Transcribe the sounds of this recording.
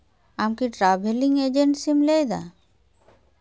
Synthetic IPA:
amkiʈɾaːbʱeliŋɡed͡ʒeɳʈsimlejd̪a̰

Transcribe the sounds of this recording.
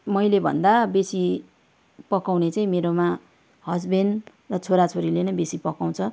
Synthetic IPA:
mʌjlebʱʌ̰nd̪abesi | pʌkawnet͡saĩmeɾoma | hʌd͡zben | rʌt͡sʰoɾat͡sʰoɾilenʌbesipʌkaw̃t͡sʰʌ

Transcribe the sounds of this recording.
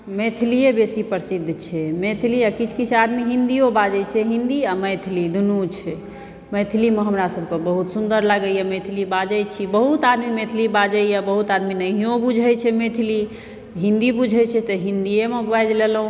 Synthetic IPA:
met̪ʰliebesipəɾsid̪ʱːt͡ʃʰɛmet̪ʰiliakit͡ʃʰkit͡ʃʰad̪miɦĩnd̪iobad͡ʒɛt͡ʃʰɛɦĩnd̪iaməjt̪ʰilid̪unut͡ʃʰɛ | məjt̪ʰlimeɦəmɾasəb̚ʱkebəɦut̪sund̪əɾləɡəjemət̪ʰilibad͡ʒəjt͡ʃʰibəɦut̪ad̪mimet̪ʰilibad͡ʒəjabəɦut̪ad̪minəɦijõbud͡ʒʱɛjt͡ʃʰɛmet̪ʰili | ɦĩnd̪ibud͡ʒʱɛt͡ʃʰɛt̪ɔɦĩnd̪ijemebajd͡ʒlelũ

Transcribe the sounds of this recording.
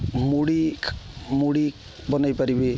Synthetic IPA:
muɽi | muɽi | bɔnajpaɾibi

